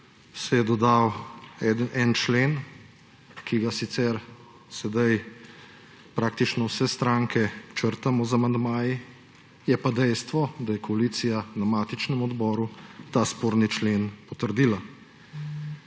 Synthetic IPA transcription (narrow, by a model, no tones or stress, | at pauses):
sɛjɛd̪ɔd̪awɛd̪nʔɛnt͡ʃleːn | kʰiɡasit̪sɛɾ | sɛd̪aj | pɾaːkt̪it͡ʃnɔwsɛst̪ɾaːŋkɛt͡ʃəɾt̪amɔzamand̪maːji | jɛpad̪ɛjst̪ʋɔd̪ajɛkɔaliːt̪sijanamaːt̪it͡ʃnɛmɔd̪bɔːɾut̪aspoːɾnit͡ʃleːnpɔt̪əɾd̪iːla